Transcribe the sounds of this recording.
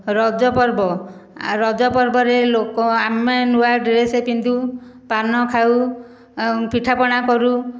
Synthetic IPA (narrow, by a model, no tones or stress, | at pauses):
ɾɔd͡ʒɔpɔɾbɔ | ɾɔd͡ʒɔpɔɾbɔɾelokɔamenuwaɖɾesepind̪u | panɔkʰaw | piʈʰapɔɽ̃akɔɾu